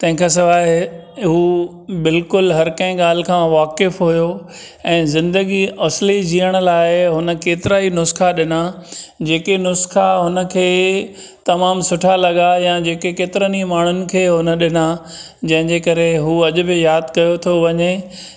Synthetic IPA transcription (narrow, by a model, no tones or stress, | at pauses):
t̪ɐ̃ɦɪ̃kʰãs̬ɪʋaːɦɪɦuː | bɪlkʊlɦɐɾkɐ̃ɦɪ̃ɠaːl̤ɪ̆kʰãʋaːkɪfɦujo | ɛ̃ːzɪ̃nd̪əɡiɐslid͡ʑiːəɽ̃ʊ̆laːɪɦʊnə̆keːt̪ɪɾaːinʊsxaɗɪnad͡ʑeːkenʊsxaɦʊnəkʰeː | t̪ɐmaːmsʊʈʰalɐɠajãd͡ʑeːkekeːt̪ɪɾənimaːɳ̤ʊnɪ̆kʰeːɦʊnə̆ɗɪna | d͡ʑɐ̃ɦɪ̃ɲd͡ʑekɐɾeɦuːɐʄʊ̆bɪjaːd̪kɐjot̪ʰoʋɐɲe